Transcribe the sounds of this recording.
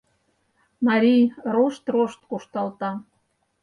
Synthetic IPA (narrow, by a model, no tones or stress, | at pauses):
mɑɾʲijroʃt̪roʃt̪kuʃt̪ɑlt̪ɑ